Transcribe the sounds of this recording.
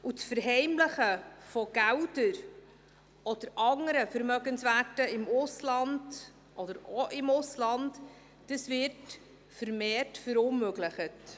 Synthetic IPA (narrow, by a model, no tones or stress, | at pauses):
ut͡sfəɾɦɛɪmləχəfoɡ̥æwdəɾ | ɔd̥̪əɾɑŋəɾəfəɾmœɡənsvætəɪmʊslɑnd | ʔɔdəɾoʔɪmʊslɑnd | d̥əsvɪt | fəɾmeːrtfəɾʊnmøɡləχət